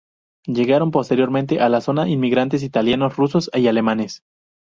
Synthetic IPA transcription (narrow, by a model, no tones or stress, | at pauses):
ʝe̞ɣaɾo̞mpo̞st̪e̞ɾjo̞ɾmẽnt̪e̞ʔalaso̞naʔinmiɣɾant̪̬e̞s̬it̪aljano̞sruso̞sejale̞mãne̞s